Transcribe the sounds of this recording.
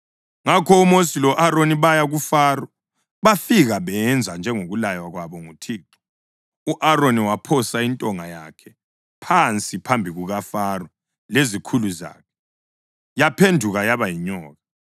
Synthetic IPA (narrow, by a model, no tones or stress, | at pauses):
ŋakʰɔumosilɔʔaɾoniβajaɣufaːrɔ | βafiɣaβɛɛnd͡zʱand͡ʒʱɛŋoɣulajwaɣwaβɔŋutʰiːǁɔ | uʔaɾoniwapʰɔsaintʼɔŋajakʰɛ | pʰant͡sʼipʰambʱiɣuɣafarɔ | lezikʰuluza̰ːkʰɛ̥ | japʰendʱuɣajaβajiɲɔːɣa